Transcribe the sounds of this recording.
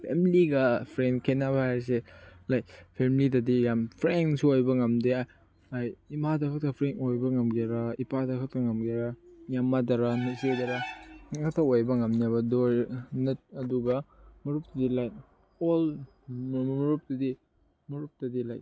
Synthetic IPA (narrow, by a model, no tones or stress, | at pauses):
pʰemiliɡɐpʰɾenkʰenaβahajɾs̬elajpʰemilidɐdijampʰɾensuojbɐŋɐmdea | ajimadɐkʰɐk̚tʰɐpʰɾenojbɐŋɐmɡeɾaipadɐkʰɐk̚tʰɐŋɐmɡiɾajamːadɐɾanɐsedɐɾaɐkʰɐk̚tʰɐojbɐŋɐmnabɐdoɾnɐt̚ɐduɡɐmɐɾup̚tɐdilaj | ol | mmɐɾup̚tɐdi | mɐɾup̚tɐdilaj